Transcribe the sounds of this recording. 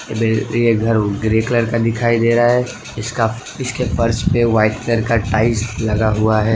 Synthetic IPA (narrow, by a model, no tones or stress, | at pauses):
bejeɡʱɐɾɡɾeːkləɾkad̪ɪkʰaːid̪eːɾaaɦɛ | ɪska | ɪskefɐɾt͡ʃpeʋaːɪʈkləɾkaʈaːɪslɐɡaɦuaɦɛː